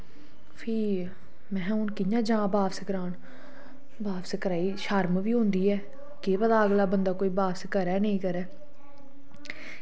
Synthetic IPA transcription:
pʰiː | mɛ̃ːʊnkɪjãːd͡ʒãːbaːbsəkəɾaːn | baːbsəkəɾaːiːʃaːɾmʋiːɦʊ̃nd̪iːɛː | keːpəd̪aːəɡlaːbənd̪aːkoːiːbaːpsəkəɾɛːnəĩːkəɾɛː

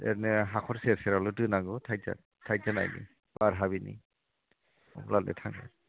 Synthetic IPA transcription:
ɛ̰nɛɦakʰɔɹsɛsɛɹalutɯnaɡɔtʰajza̰ | tʰajzana̰jnḭ | baɾɦaβinḭ | laldɛ̰tʰaŋa̰

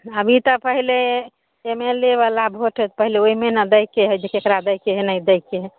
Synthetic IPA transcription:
əbʱit̪əpəɦile | emeleβalabʱoʈʰət̪pəɦileoimenəd̪əjkːeɦəjd͡ʒekekɾad̪əjkeɦenəjd̪əjkːeɦ

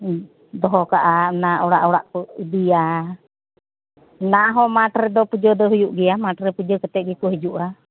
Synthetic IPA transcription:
d̪ɔɦɔkaʔanaʔuɽaʔuɽaʔkud̪ia | naɦɔmaʈɾɛd̪ɔpud͡ʒɔd̪ɔɦujuʔɡiamaʈɾɛpud͡ʒɔkət̪ɛʔɡikuɦid͡ʒuʔa

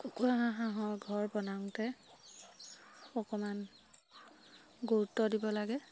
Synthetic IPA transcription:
kukuaɦãɦãɦɔjɡʱɔɹbɔnaŋtɛ | ɔkɔman | ɡoɹutːɔdibɔlaɡɛ

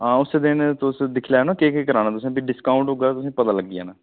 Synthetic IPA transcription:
ɦãːʊseːd̪ɪnt̪ʊsd̪ɪkʰlɛːnãːkeːkekəɾaːnaːt̪ʊsĩːbiːɖɪskaːʊɳʈɦoːɡaːt̪ʊsĩːpət̪aːləɡ̚d̪ɪja̰ːnaː

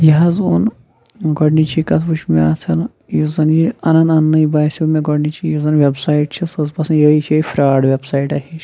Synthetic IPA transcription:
jɐɦɐzun | ɡɐɽnit͡ʃʰikɐt̪ʰbut͡ʃʰmeaːt̪ʰɐn | jizɐnjiɐnɐnɐnːɐibaːsʲmeɡɔɽnit͡ʃʰijizɐnʋʲebsaːiʈt͡ʃʰisɐzbɐsnjɐit͡ʃʰɐifʰɾaːɖʋʲebsaːiʈɐɦit͡ʃʰ

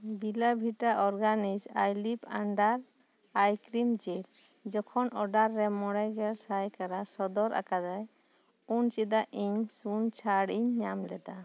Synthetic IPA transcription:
bilabʱiʈaʔɔɾɡanid͡ʒajlipaɳɖaɾ | ajkɾimd͡ʒeld͡ʒɔkʰɔnɔɖaɾːɛmɔɽajɡɛɽsajkaɽasɔd̪ɔɾʔa̰kad̪aj | unt͡ʃid̪aʔiɲsunt͡ʃʰaɽiɲːamlɛd̪a

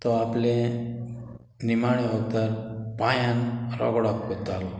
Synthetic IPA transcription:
t̪ɔaple | nimaɭiɔt̪aɾpajanɾɔ̰ɡɽɔkːot̪alɔ

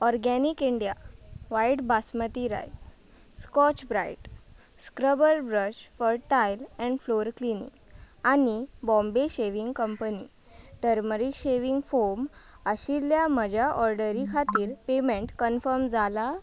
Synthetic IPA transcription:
ɔɾɡɛnikiɳɖijaʋaiʈbʱasmət̪iɾa̰js | skɔt͡ɕbɾajʈ | skɾəbəɾbɾət͡ɕfɔɾʈajlɛ̃ɳɖfloɾklinḭk | anibɔ̃mbeɕeʋiŋɡkəmpənḭ | ʈəɾməɾikɕeʋiŋɡfoɾm | əɕiljaməd͡ʑʱaʔɔɾɖəɾikʰat̪iːɾpemẽɳʈkənfəɾmd͡zʱala

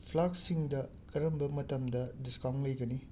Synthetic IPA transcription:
pʰlak̚siŋdɐ | kɐɾɐmbɐmɐtɐmdɐdiskawŋlɐjɡɐni

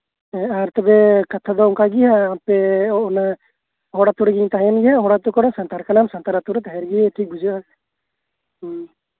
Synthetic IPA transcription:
ɛ̃aɾt̪ɛbɛkat̪ʰad̪ɔɔŋkaɡiɦaːpɛɔɔna | ɦɔɽat̪uɽɡiɲt̪aɦɛɛnɡɛɦaɦɔɽat̪ukɔɽɔsant̪aɾkanamsant̪aɾat̪uɾɛt̪aɦɛɾɡiɛʈʰik̚bud͡ʒua

